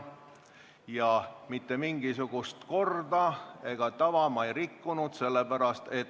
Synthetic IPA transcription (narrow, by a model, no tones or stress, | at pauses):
jɑmit̪ːe̞miŋɡ̥isuɡ̥ust̪ko̞rd̪ɑe̞ɡ̥ɑt̪ɑvɑmɑejɾikːunud̪̥se̞lːe̞pæɾɑst̪e̞t̪ː